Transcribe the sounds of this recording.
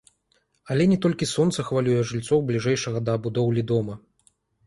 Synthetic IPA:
ɐlʲɛnʲɛt̪ɔlʲkʲisɔnt̪sɐxvalʲujɛʐɨlʲt̪sɔwblʲiʐɛjʂɐɣɐd̪ɐːbud̪ɔwlʲid̪ɔmɐ

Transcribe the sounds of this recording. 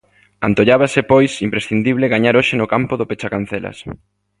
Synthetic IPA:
a̰nt̪oʎaβasepojsimpɾesθind̪iβleɣaɲaɾoʃenʊkampʊðopet͡ʃakanθelɐ̰s

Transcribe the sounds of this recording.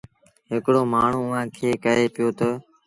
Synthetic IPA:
ɦɪkɽoːmaːɳ̤uːʊʋãːkʰeːkəɾeːpɪjoːt̪ə

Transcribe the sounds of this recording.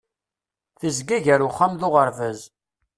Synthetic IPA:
θəzɡæʝəɾʊχːamðʊʁəɾvəz

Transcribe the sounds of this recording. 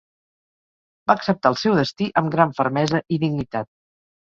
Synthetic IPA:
baːksəp̚t̪aəlˠsɛwðəst̪iʔəmɡɾaɱfəɾmɛzəʔiðiɡnit̪at̪̚

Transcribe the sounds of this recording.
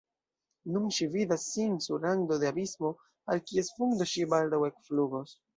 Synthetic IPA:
nunʃividasːinsuɾaŋɡd̪od̪eabismo̞ | alkie̞sfuŋd̪oʃibald̪awe̞kfluɡos

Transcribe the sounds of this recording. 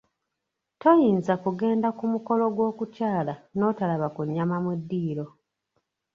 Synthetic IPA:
to̞jiːnzakuɡe̞ːndakumuko̞lo̞ɡwo̞ːkucaːlano̞ːtalaβakuɲːamamudːiːɾo̞

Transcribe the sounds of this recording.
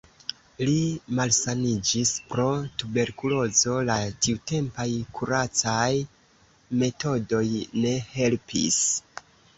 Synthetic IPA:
limalsanid͡ʒispɾo̞tube̞ɾkulo̞zo̞latiute̞mpajkʰuɾat͡saj | me̞to̞do̞jne̞he̞lpʰḭs

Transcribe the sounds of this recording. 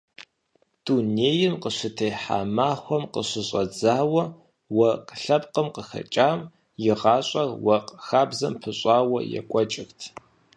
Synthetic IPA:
d̥uneːjɪmqəɕɨtʰejħa̰ːmaːxʷɔmqəɕɨɕʼɐd͡zaːwɐ | wɐqɬɐp̚ʼqəmqəxɐ̰t͡ʃʼaːm | jɪʁɑːɕʼɐrwɐqxaːbzɐmpʰɨɕʼaːwɐ̰jɛ̰kʷʼɔt͡ʃʼɪxtʰ

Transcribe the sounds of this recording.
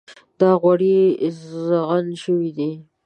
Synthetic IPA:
d̪ɑɣwaɽizaɣanʃəwid̪i

